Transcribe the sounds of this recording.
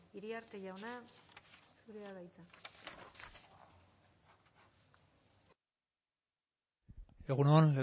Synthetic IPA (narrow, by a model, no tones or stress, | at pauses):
iɾiaɾt̪e̞ʝawna | suɾeaβajt͡s̪a | eɣunoanle